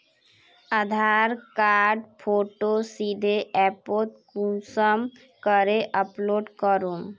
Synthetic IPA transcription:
əd̪ʱaɾkaɾɖpʰoʈosid̪ʱeʔɛpot̪̚kũsəm | kəɾeʔəploːɖkəɾum

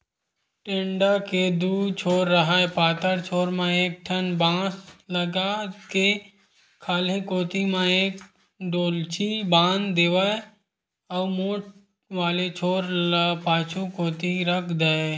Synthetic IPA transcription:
ʈẽːɳɖaked̪uːt͡ʃʰoːɾːəɦaːepaːt̪əɾt͡ʃʰoːɾmãeːk̚ʈʰənbãːsləɡake | kʰaːlẽkoːt̪imãeːk̚ | ɖoːlt͡ʃibãːnd̪eːʋae | ɔːmoːʈ̚ | ʋaːlet͡ʃʰoːɾpaːt͡ʃʰukoːt̪iɾəkʰd̪ae

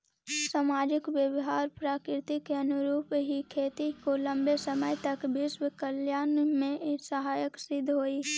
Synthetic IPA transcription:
saːmaːd͡ʒɪkʋjəbɪɦaːɾpɾaːkɾɪt̪ikeɐnʊɾuːpɦikʰeːt̪ikolɐ̃mbesəməjt̪ɐkbɪʃwkəljaːnmẽsəɦaːjəksɪd̪ʱɦoːiː

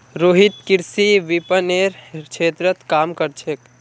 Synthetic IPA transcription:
ɾoːɦɪt̪kɪɾsiʋipəneɾkʰeːt̪ɾət̪kaːmkəɾt͡ʃʰek

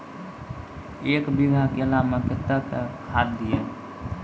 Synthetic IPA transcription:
eːkbiɡʱakelamepɪt̪ːəkekʰaːt̪̚d̪ije

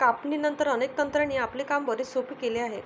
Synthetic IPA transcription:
kapɳiːnənt̪əɾənek̚t̪ənt̪ɾaɳ̃iːapliːkambəɾiːsopiːkeliːaɦe

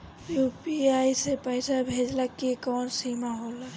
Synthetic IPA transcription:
jupiaisepəɪsabʱed͡ʒlakekɔːnsimaɦol

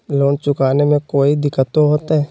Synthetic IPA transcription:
loːnt͡ʃʊkaːnemẽkoːid̪ɪkːət̪oɦoːt̪aɦɛː

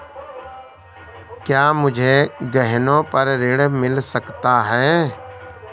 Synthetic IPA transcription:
kjaːmʊd͡ʒʱeɡəɦnõpəɾːɪɽmɪlsəkt̪aɦɛː

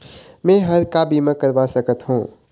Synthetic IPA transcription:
mɛ̃ːɦɐɾkabiːmə̃kɐɾʋasɐkət̪ɦũː

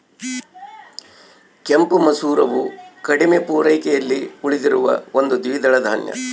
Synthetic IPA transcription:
kempumɐsuːɾɐʋukɐɽimepuːɾɐjkɛjɐlːiuɭid̪iɾuʋɐ̰o̞nd̪ud̪iʋid̪ɐɭɐd̪ʱaːnjɐ̰

